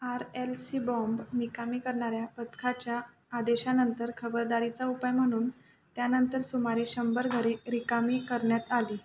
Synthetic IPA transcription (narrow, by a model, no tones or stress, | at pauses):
aɾelsibɔ̃mbmikamikəɾɳaɾjapət̪kʰat͡ɕjaː | d̪eɕanənt̪əɾkʰəbəɾd̪aɾit͡saupajm̤əɽ̃uːn | t̪janənt̪əɾsumaɾeɕəmbəɾɡʱəɾeɾikamikəɾɳjat̪aliː